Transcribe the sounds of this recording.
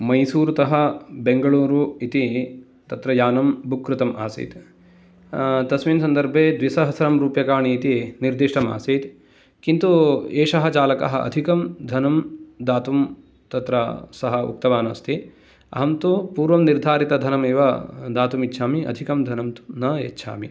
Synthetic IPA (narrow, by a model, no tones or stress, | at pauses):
mɐjsuːɾut̪ɐɦɐ̆beŋɡɐɭuːɾuit̪i | t̪ɐt̪ɾɐjaːnɐmbukɾut̪ɐmʔa̰ːsḭːt̪ | t̪ɐsʋiːnɐs̬ɐnd̪ɐɾbʱeːd̪ʋisɐɦɐsɐɾɐmɾuːpjɐkaːɳiːt̪iniɾd̪iʂʈɐma̰ːsiːt̪ | kint̪ueːʂɐɦɐt͡ʃaːlɐkɐ̰ɦɐʔɐ̰d̪ʱikɐmd̪ʱɐnɐmd̪aːt̪um | t̪ɐt̪ɾɐsɐɦɐṵk̚t̪ɐʋaːnɐst̪ʰi | ɐ̰ɦɐmt̪upuːɾʋɐmniɾd̪ʱaːɾit̪ɐd̪ʱɐnɐmeːʋɐd̪aːt̪umitːʃʰaːmiʔɐ̰d̪ʱikɐmd̪ʱɐnɐmt̪u̥nɐḛtːʃʰa̰ːmi